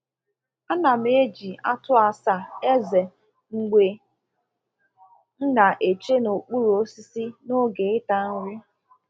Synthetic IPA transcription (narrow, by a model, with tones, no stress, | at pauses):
a˦na˨m̩˦e˦d͡ʒi˨a˦tʊ˦a˨sa˦˨e˦ze˨ | ŋ̩˨ɡ͡be˨ | n̩˦na˨ʔe˨t͡ʃe˦no˨k͡pu˦ɾo˦si˦si˦no˦ɡe˨ɪ˦ta˦n̩˦ɾi˦